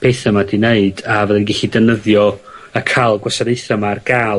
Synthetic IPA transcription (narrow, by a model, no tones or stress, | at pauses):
pʰeːθəmadineɨdavɛðɛnɡɛɬidɛnəðjɔəkʰalˠɡwasaɾeɨθamarɡ̥aːl